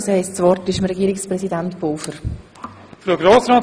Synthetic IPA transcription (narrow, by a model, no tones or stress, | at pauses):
shɛɪssʋɔrtɪʃəmɾɛɡiːɾɪkspɾɛsidɛntb̥oːfəɾ | fɾuɡɾoːsɾɔːt